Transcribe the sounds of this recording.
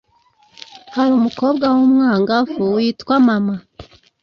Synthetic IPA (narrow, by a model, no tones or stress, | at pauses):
haɾumuko̞ːbɡawomŋaːŋɡafuwiːtwamama